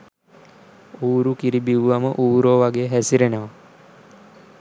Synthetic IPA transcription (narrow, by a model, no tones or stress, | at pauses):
uːɾukiɾibiʋʋaməʔuːɾoːʋaɡejɦæsiɾenəʋa